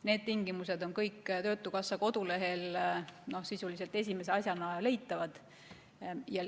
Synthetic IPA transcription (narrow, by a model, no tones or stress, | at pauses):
ne̞ːd̪̚t̪iŋɡimuse̞d̪o̞nkɤjkːt̪ø̞ːt̪ːˑukɑsːɑko̞d̪̥ule̞ɦe̞lno̞hsisulise̞lt̪e̞s̬ʲime̞s̬e̞ɑsʲjɑnɑle̞jt̪ːˑɑvɑd̪̥ | jɑ